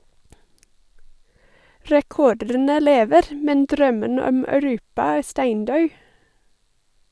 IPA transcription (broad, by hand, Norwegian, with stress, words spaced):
ɹɛˈkɔɖənə ˈleːʋəɾ m ˈmɛn ˈdɾœmən ˈɔm œʉˈɾʉːpɑ ˈæː ˈstæɪnˌdœʉ